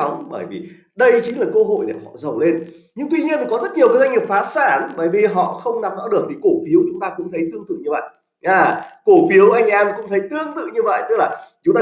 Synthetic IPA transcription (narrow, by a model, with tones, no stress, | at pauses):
ŋ͡mɓəː˧˩jvḭ˨˩ | ɗə˧jt͡ɕï̟˨˦laː˨˩kə˧ɦo̰˧˨jɗe˧˩hɔ̰˧˨zə˨˩wle˧n | ɲɨ˧ŋt̪wi˧ɲi˧ən˨kɔ˨˦zə˦˥t̚ɲi˨˩əwkːa˨˦jza˧ŋi˨˩p̚faː˨˦t̚saː˧˩nɓəː˧˩jvi˨˩ɦɔ̰˧˨xə˧wŋ͡mna˨˩mzɔ̰˧˥ɗɨ˨˩ək̚t̪ʰi˨˩ko˧˩fi˨˦əwt͡ɕʊ˨˦ŋ͡mt̪aː˧kʊ̰˧˥ŋ͡mt̪ʰə˨˦jt̪ɨ˧əŋt̪ɨ˧˨˩ɲɨ˧və̰˧˨jʔ | ʔaː˨˩ko˧˩fi˨˦əwʔa˧jŋ̟ʔɛː˧mkʊ̰˧˥ŋ͡mt̪ʰə˨˦jt̪ɨ˧əŋt̪ɨ̰˧˨ɲɨ˧və̰˧˨jt̪ɨ˦˥k̚laː˨˩t͡ɕʊ˨˦ŋ͡mt̪aː